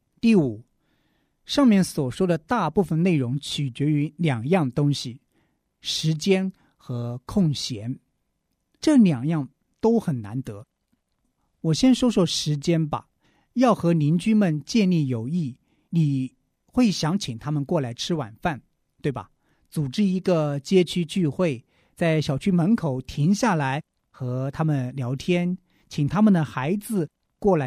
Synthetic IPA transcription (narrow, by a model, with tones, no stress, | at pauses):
t̪i˥˩u˨˩˦ | ʂɑ˥˧ŋmjɛ˥˩nswɔ˨˩ʂwɔ˥d̪ə˨t̪a˥˧pu˥˩fə˨nne˥˩ɪɻʊ˧˥ŋt͡ɕʰy˨˩t͡ɕɥɛ˧˥y˧˥ljɑ˨˩ŋjɑ˥˩ŋd̪ə˩t̪ʊ˥ŋɕi˨ | ʂɻ̩˧˥t͡ɕjɛ˥n | xɤ˧˥kʰʊ˥˩ŋɕjɛ˧˥n | ʈ͡ʂɤ˥˩ljɑ˨˩ŋjɑ˥˩ŋ | t̪o˥ʊxə˨˩nna̰˧˥nt̪ɤ˧˥ | wɔ˨˩ɕjɛ˥nʂwɔ˥ʂwɔ˥˩ʂɻ̩˧˥t͡ɕjɛ˥nbɐ̰˨˩ | jɑ˥˩ʊxɤ˧˥ni˧˥nt͡ɕy˥nmə˨nt͡ɕjɛ˥˧nli˥˩jo˨˩ʊi˥˩ | ni˨˩ | xwe˥˩ɪɕjɑ˧˥ŋt͡ɕʰi˨˩ŋt̪ʰa˥mə˨nkwɔ˥˩la˧˥ɪʈ͡ʂʰɻ̩˥wa̰˨˩nfa˥˩n | t̪we˥˩ɪbɐ̰˨˩ | t͡su˨˩ʈ͡ʂɻ̩˥i˧˥ɡə˧t͡ɕjɛ˥t͡ɕʰy˥t͡ɕy˥˧xwe˥˩ɪ | t͡sa˥˩ɪɕjɑ˨˩ʊt͡ɕʰy˥mə˧˥nkʰo˨˩ʊt̪ʰi˧˥ŋɕja˥˩la˧˥ɪ | xɤ˧˥t̪ʰa˥mə˨nljɑ˧˥ʊt̪ʰjɛ˥n | t͡ɕʰi˨˩ŋt̪ʰa˥mə˨nd̪ə˩xa˧˥ɪd͡zɹ̩˧ | kwɔ˥˩la˧˥